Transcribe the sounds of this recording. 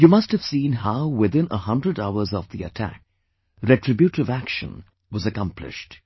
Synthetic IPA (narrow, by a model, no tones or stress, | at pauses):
jumʌsthɨv̥sĩnɦaʊwɪðɪ̃nə̰hʌ̃ndɹədaʊə˞zɔvðiə̰tʰæ̰k̚ | ɾɛʈɹɨbjuʈɨvækʃə̰̃n | wʌzəkʌ̃mplɪ̰ʃt